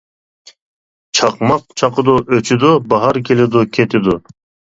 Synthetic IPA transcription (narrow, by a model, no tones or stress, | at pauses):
t͡ʃʰɑqmɑq̚t͡ʃʰɑqəd̪uʔøt͡ʃʰyd̪ʊbɑɦɑɾkʰʲelɪd̪ʊkʲʰet̪ʰɪd̪ʊ